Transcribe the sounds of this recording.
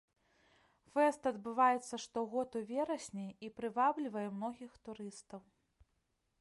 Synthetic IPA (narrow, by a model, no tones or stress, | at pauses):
fɛst̪ɐd̪bɨvajɛt̪sːɐʂt̪ɔɣɔt̪uvʲɛɾɐsʲnʲɛipɾɨvablʲivɐjɛmnɔɣʲixt̪uɾɨst̪ɐw